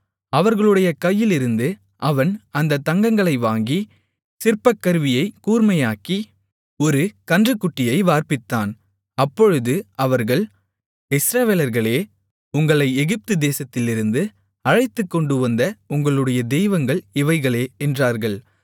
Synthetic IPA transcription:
ɐʋɐɾɣɐɭɯɽɐjɐkɐjːɪlɪɾɯnd̪ɯ | ʔɐʋɐnɐnd̪ɐt̪ːɐŋɡɐŋɡɐɭɐɪʋaːŋɡi | sɪɾpɐkːɐɾʋɪjɐɪkuːɾmɐjaːki | ɔɾɯkɐndrɯkːʊʈːɪjɐɪʋaːɾpɪt̪ːaːn | ɐpːɔɻɯðɯɐʋɐɾɣɐɭ | ɪsɾɐʋeːlɐɾɣɐɭeː | ʊŋɡɐɭɐɪɛɣɪp̚t̪ɯd̪eːsɐt̪ːɪlɪɾɯnd̪ɯ | ɐɻɐɪt̪ːɯkːɔɳɖɯʋɐnd̪ɐʊŋɡɐɭɯɽɐjɐd̪ɛjʋɐŋɡɐɭɪʋɐɪɣɐɭeːɛndraːɾɣɐɭ

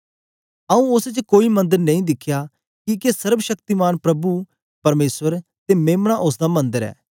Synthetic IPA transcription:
ɐũʊst͡ʃkoːimɐ̃nd̪əɾnɐ̃ĩːd̪ɪkʰːjaː | kikesəɾbʃəkt̪imaːnpɾɐbu | pɐɾmeːsʋəɾt̪emeːmɳ̃aʔʊsd̪aːmɐ̃nd̪əɾɛ̰ː

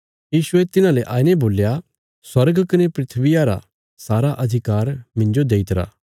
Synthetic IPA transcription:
jiːsʊet̪ɪnãleʔaːineboːlːja | swɐɾɡkɐnepɾɪt̪ʰʋɪjaɾa̰ | saːɾaʔɐd̪ʱɪkaːɾmɪ̃nd͡ʒod̪eːit̪ɾa̰ː

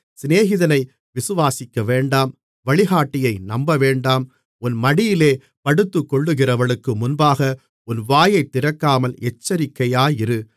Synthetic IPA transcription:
sɪneːɣɪðɐnɐɪ | ʋɪsɯʋaːsɪkːɐʋeːɳɖaːm | ʋɐɭɪɣaːʈːɪjɐɪnɐmbɐʋeːɳɖaːm | ʊnmɐɽɪjɪleː | pɐɽɯt̪ːɯkːɔɭːɯɣɪrɐʋɐɭɯkːɯmʊnbaːɣɐ | ʊnʋaːjɐɪt̪ːɪɾɐkːaːmɐlɛt͡ʃːɐɾɪkːɐjaːjɪɾɯ

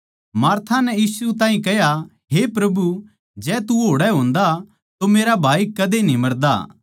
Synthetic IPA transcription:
maːɾt̪ʰanɛjiːsut̪̬ãːɦĩkɛɦja | ɦepɾɐbu | d͡ʒɛːt̪uɦoːɽɛɦõːnd̪a | t̪omeːɾabʱaːikɐd̪enĩmɐɾd̪a̰ː

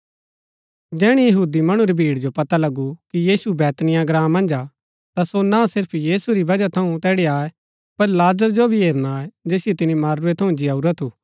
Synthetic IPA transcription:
d͡ʒɛːɽ̃ijɐɦuːd̪imɐɽ̃ũɾibʱiːɽd͡ʒopɐt̪alɐɡukijiːsubɛːt̪nɪjãɡɾãːmːɐ̃nd͡ʒa | t̪asonasɪɾpʰjiːsuɾibɐd͡ʒat̪ʰɐũt̪ɛːɽeaːe | pɐɾlaːzəɾd͡ʒobʱiɦeːɾnaːed͡ʒeːsɪjet̪ɪnimaːɾːʊet̪ʰɐũd͡ʒɪjaːuɾat̪ʰuː

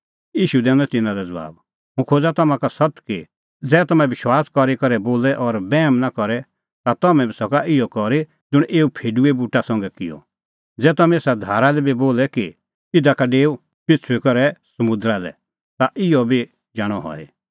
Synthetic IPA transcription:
jiːʃud̪ɛ̃ːnɔ̃t̪ɪnãlɛd͡zɐʋa̰ːb | ɦũkʰoːd͡zat̪ɔmãkasɐt̪ki | d͡zɛːt̪ɔmɛ̃ʋɪʃwaːskɔɾikɔɾɛboːlɛʔɔɾbɛːmnakɔɾɛ | t̪at̪ɔmɛ̃bʱisɔkaʔɪjɔkɔɾi | d͡zʊɽ̃ʔeːupʰeːɖuebuʈasɔ̃ŋɡɛkɪjɔ̰ | d͡zɛːt̪ɔmɛ̃eːsad̪ʱaːɾalɛbiboːlɛki | ɪd̪akaɖeːu | pɪt͡sʰʊikɔɾɛsɐmʊ̃d̪ɾalɛ̰ | t̪aʔɪjɔbʱi | d͡ʒaːɽ̃ɔɦɔ̰ḭ

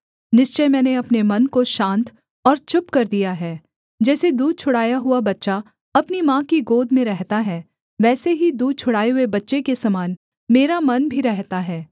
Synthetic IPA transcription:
nɪʃt͡ʃəjmɛːneɐpnemɐnkoʃãːnt̪ | ɔːɾt͡ʃʊpkɐɾd̪ijaɦɛː | d͡ʒɛːsed̪uːd̪̚t͡ʃʰʊɽaːjaɦuabɐtːʃa | ɐpnimãːkiɡoːd̪mẽɾɛɦt̪aɦɛː | ʋɛːseɦid̪uːd̪̚t͡ʃʰʊɽaːeɦuebɐtːʃekesɐmaːn | meːɾamɐnbʱiɾɛɦt̪aɦɛː

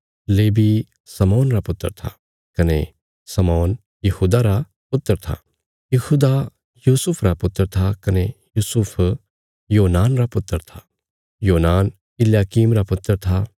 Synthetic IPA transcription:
leːbi | sɐmɔːnɾapʊt̪ːəɾt̪ʰa̰ | kɐne | sɐmɔːn | jɐhuːd̪aɾa | pʊt̪ːəɾt̪ʰa̰ | jɐhuːd̪a | juːsʊpʰɾapʊt̪ːəɾt̪ʰakɐnejuːsʊpʰ | joːnaːnɾapʊt̪ːəɾt̪ʰa | joːnaːn | ɪljaːkiːmɾapʊt̪ːəɾt̪ʰa

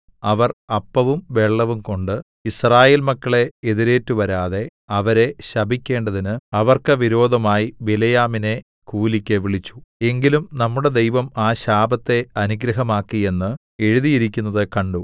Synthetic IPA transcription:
ɐʋɐrɐpːɐʋumʋe̞ɭːɐʋumko̞ɳɖɨ | israːjeːlmɐkːɐɭe̞ːðiɾe̞ːtːɨʋɐɾaːðe̞ɐʋɐɾe̞ɕɐbʱikʲːe̞ːɳɖɐðinɨɐʋɐrkɨʋiɾo̞ːd̪ʱɐmaːjibilɐjaːmine̞ | kuːlikʲːɐʋiɭit͡ɕːu̥e̞ŋɡilumnɐmːuɽe̞d̪e̞jʋɐmaːɕaːbɐt̪ːe̞ɐnuɡɾɐɦɐmaːkːie̞nːɨ | e̞ɻuðijiɾikʲːunːɐðɨkɐɳɖu

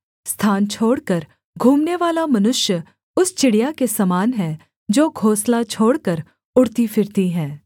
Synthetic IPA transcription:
st̪ʰaːnt͡ʃʰoːɽkəɾ | ɡʱuːmneʋaːlamɐnʊʃjə | ʊst͡ʃɪɽijakesɐmaːnɦɛ | d͡ʒoːɡʱoːslat͡ʃʰoːɽkəɾ | ʊɽt̪ifɪɾt̪iɦɛ̃ː

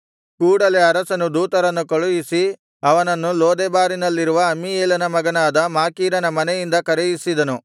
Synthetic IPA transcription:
kuːɽɐle̞ɐɾɐsɐnud̪uːt̪ɐɾɐnːukɐɭujisi | ɐʋɐnɐnːuloːd̪ebaːɾinɐlːiɾuʋɐːmːieːlɐnɐmɐɡɐnaːd̪ɐmaːkiːɾɐnɐmɐnɛjind̪ɐkɐɾejisid̪ɐnu

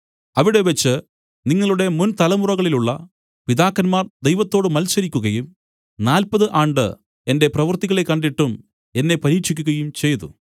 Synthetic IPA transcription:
ɐʋiɽe̞ʋet͡ɕːɨ | niŋːɐɭuɽe̞munt̪ɐlɐmurɐɣɐɭiluɭːɐ | piðaːkːɐnmaːrd̪e̞jʋɐt̪ːo̞ːɽɨmɐlsɐɾikʲːuɣɐjum | naːlpɐðɨʔaːɳɖɨ̰ | e̞nde̞prɐʋɐrt̪iɣɐɭe̞kːɐɳɖiʈːum | e̞nːe̞pɐɾiːkʂikʲːuɣɐjumt͡ɕe̞jðṵ

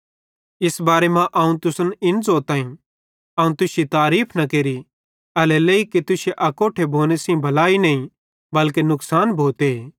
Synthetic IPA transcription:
ɪsbaːɾemãʔɐũt̪ʊsənɪnzoːt̪ãːĩ | ɐːũt̪ʊsit̪aːɾiːpʰnɐkeːɾi | ɐlɛleiket̪ʊseʔɐkoːʈʰebʱoːnesĩbʱɐlaːinɐĩ | bɐlkenʊksaːnbʱoːt̪eeː

